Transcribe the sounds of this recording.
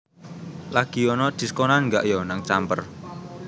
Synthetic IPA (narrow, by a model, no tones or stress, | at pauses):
laɡ̥i̤ɔnɔd̪̥i̤sə̥kɔnanŋɡaʔjɔnaŋt͡ʃampər